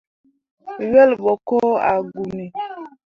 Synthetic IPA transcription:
ɥɛ˦lbɔ˨ko˦a̰˨ɡu˨mi˨

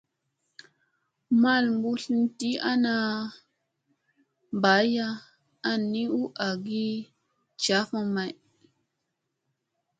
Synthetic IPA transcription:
ma˦˨lmbu˦ɬi˦nti˦a˦na˧ | m˨ba˨˦ja˦ | a˦ni˦u˦ʔa˨ɡi˦ | t͡ʃa˨˦fa˦ma˨j

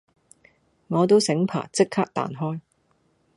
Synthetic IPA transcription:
ŋɔː˨˧t̪o˥wsɪ˨˥ŋpʰa̰ː˨˩t͡sɪ˥kʰːaː˥k̚t̪a̰ː˨nɦɔː˥j

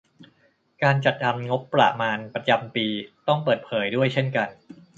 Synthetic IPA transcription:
kaː˧nt͡ɕa˨˩t̪̚ʔa˧mŋo˦˥pːɾa̰˧˩maː˧npɾa˧t͡ɕa˧mpiː˧t̪ɔ˥˩ŋpɤː˨˩t̪̚pʰɤː˩˦jdu˥˩əjt͡ɕʰe˥˩nka˧n

